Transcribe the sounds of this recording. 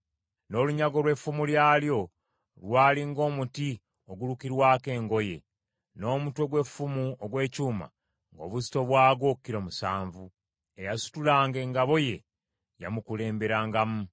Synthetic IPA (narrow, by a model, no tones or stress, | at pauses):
no̞ːluɲaɡo̞lwe̞fːumuljaːljo̞ | lwaːliŋɡo̞ːmuti | oɡulukiɾwaːke̞ːŋɡo̞je̞̰ | no̞ːmutwe̞ɡwe̞fumuoɡwe̞ːcuːma̰ | ŋɡo̞̰βuzi̥to̞βwaːɡo̞ːkːiɾomusa̰ːɱvu | ejasu̥tulaːŋɡe̞ːŋɡaβo̞je̞ | ja̰mukule̞ːmbe̞ɾaːŋɡamu